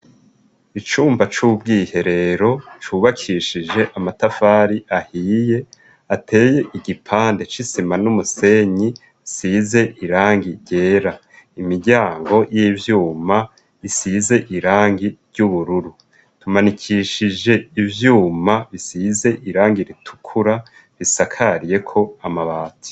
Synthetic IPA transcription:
it͡ʃuːmbat͡ʃubɡiːhe̞ɾe̞ɾo̞t͡ʃuβakʰiʃiʒe̞ʔamatafaːɾiʔahiːje̞ | atʰe̞ːje̞ʔiɟipʰaːnde̞t͡ʃisimanumuse̞ɲi | size̞ʔiɾaːŋɡiɾɟe̞ːɾa | imiɾɟaːŋɡo̞jivjuːma | βisize̞ʔiɾaːŋɡiɾɟuβuɾuɾu | tumanikʰiːʃid͡ʒe̞ivjuːmaβisize̞ʔiɾaːŋɡiɾitʰu̥kʰuɾa | βisakʰaɾije̞kʰo̞amaβaːtʰi̥

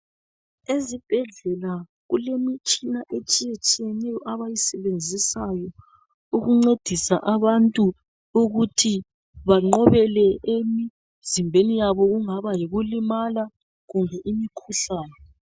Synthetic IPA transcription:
ezib̥ʱɛɮɛla | ɣulemit͡ʃʼinaʔet͡ʃʼijet͡ʃʼijɛnɛjɔʔaβajisɛβend͡zʱisajɔ | uɣuŋ͡ǀed̥ʱisa̰ʔaβantʼu | uɣutʰi | βaŋ͡ǃɔβɛlɛemi | zimbʱenijaβɔɣuŋaβajiɣulimala | ɣumbʱɛʔimikʰuɬaːnɛ

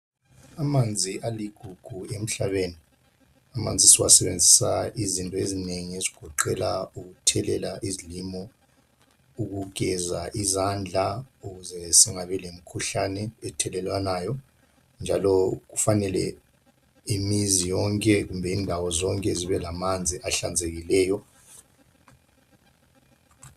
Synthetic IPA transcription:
amand͡zʱiʔaliɡ̥ʱuɡ̥ʱuem̩ɬaβeni | ama̰nd͡zʱisiwasɛβend͡zʱisaizintʼɔezineŋieziɡ̥ʱɔǃɛlauɣutʰɛlɛlaʔizilimɔ | uɣuɡ̥ʱɛzaʔizand͡ɮʱauɣuzɛsiŋaβɛlem̩kʰuɬanɛɛtʰɛlɛlwanajɔ | nd͡ʒʱalɔɣufanɛlɛ | imizijɔŋkʼɛɣumbʱɛiːndʱawɔzɔŋkʼɛziβɛlamand͡zʱiʔaɬand͡zʱeɣilɛːjɔ

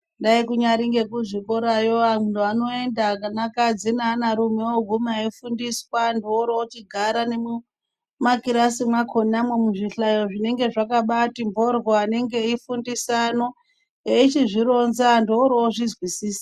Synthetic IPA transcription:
ndaikuɲaɾiŋɡe̞kuʐikoɾajoamundoano̞e̞ndakanakad͡zinaːnaɾumewoɡʱumaifundiswandooɾoot͡ʃiɡʱaɾane̞mu | makiɾasimwakʰonamwe̞muʐiɬajoʐine̞ŋɡe̞ʐakaɓatimbʱo̞rɣoane̞ŋɡe̞ifundisano̞ | eit͡ʃiʐiɾo̞nzandooɾooʐizwisiːsḁ

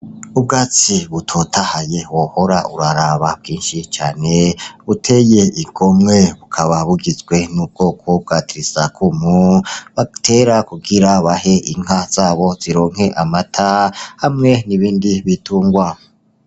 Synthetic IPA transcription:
ub̚ɡaːt͡siβutʰotʰahaje̞woho̞ɾauɾaɾaβabɡiːnʃit͡ʃaːneβutʰe̞je̞iɡo̞mŋe̞βukʰaβaβuɡizɡwe̞nub̚ɡo̞ːkʰo̞b̚ɡatiɾizakʰumuβateɾakuɡiɾaβaɦeʔiŋ̥ɦaz̥aːβo̞z̥iɾo̞ːŋ̥he̞ʔamatʰahamŋe̞niβiːndiβitʰuːŋɡwa

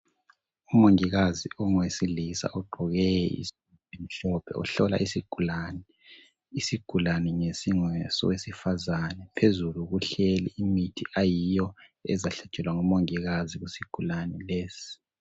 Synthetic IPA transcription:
umoŋiɣaziɔŋwesilisa̰ʔɔɡ͡ǃʱɔɣɛjɛḭs | im̩ɬɔpʰɛ̰ɔ̰ɬɔla̰ʔisiɡ̥ʱulanɛ | isiɡ̥ʱulanɛŋesiŋwɛsɔ̰wesifazanɛpʰezuluɣuɬeliimitʰiʔajijɔɛ̰zaɬɛ̥t͡ʃʼɛlwaŋumoŋiɣaziɣusiɡ̥ʱulanɛleːsi̥

